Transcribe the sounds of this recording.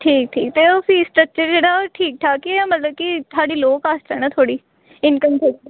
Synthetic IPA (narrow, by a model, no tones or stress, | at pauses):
ʈʰiːk̚ʈʰiːk̚t̪eːosĩːsʈɾək̚t͡ʃəɾd͡ʒeːɽaːʈʰiːk̚ʈʰaːkimət̪ləb̚kɪt̪ʰaːɖiːloːkaːsd̪ɛːnãːt̪ʰoːɽiː | ɪnkəmsɛk̚ʈ